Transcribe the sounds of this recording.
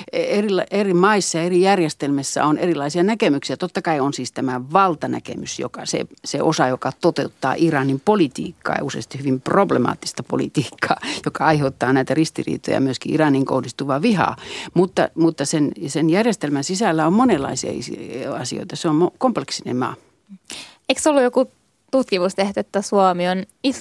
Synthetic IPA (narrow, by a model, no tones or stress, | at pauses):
erilʔerimɑisːɑjɑerijærjest̪elmesːæ̰onerilɑisiɑnækemyksiæt̪ot̪ːɑkɑionsiːst̪æmæʋɑlt̪ɑnæ̰kḛmysjo̰kɑsḛsḛʔosɑjokɑt̪ot̪eut̪ːɑ̰ːʔirɑnimpolit̪ḭːkːɑ̰ːjɑusḛst̪ihyʋimproblemɑ̰ːt̪ːi̥st̪ɑpo̰lḭt̪iːkːɑːjokɑɑiheut̪ːɑːnæit̪ærist̪irḭːt̪ojɑ̰myøskiʔirɑniŋko̰hdist̪uʋɑʋihɑ̰mut̪ːɑ̰mut̪ːɑsensenjærjest̪elmænsisælːæommonelːɑ̰isiɑ̰ḭsɑsḭo̰ˑit̪ɑseommokompleksinḛmmɑ̰ː | eiksolːujoku | t̪ut̪kimust̪eht̪yet̪ːæsuomionis